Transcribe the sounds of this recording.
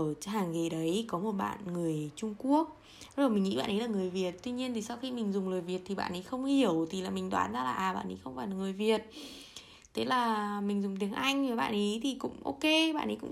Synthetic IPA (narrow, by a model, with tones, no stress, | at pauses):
t͡ɕɦaː˨˩ŋɣe˨˩ɗə˨˦jkɔ˨˦mo˨˩t̚ɓa̰ː˧˨nŋɨ˨˩əjt͡ɕʊ˧ŋ͡mku˦˥ək̚ | zo˨˩jmï˨˩ŋḭ˧˥ɓa̰ː˧˨nʔə˨˦laː˨˩ŋɨ˨˩əjvi˨˩ət̚t̪wi˧ɲi˧ənt̪ʰi˨˩sa˧wxi˧mï˨˩ŋ̟zʊ˨˩ŋ͡mləː˨˩jvi˨˩ət̚t̪ʰi˨˩ɓa̰ː˧˨nʔə˨˦jxə˧wŋ͡mhi˨˩əwt̪ʰi˨˩laː˨˩mï˨˩ŋ̟t̪waː˨˦nzaː˧laː˨˩ʔaː˨˩ɓa̰ː˧˨nʔḭ˨˦xə˧wŋ͡mfaː˨˩jlaː˨˩ŋɨ˨˩əjvi˨˩ət̚ | t̪ʰe˨˦laː˨˩mï˨˩ŋ̟zʊ˨˩ŋ͡mt̪i˨˦əŋʔa˧jŋ̟və˨˩jɓa̰ː˧˨nʔi˨˦t̪ʰi˨˩kʊ̰˧˥ŋ͡mʔo̰˧ke˧ɓa̰ː˧˨nʔə˨˦kʊ̰˧˥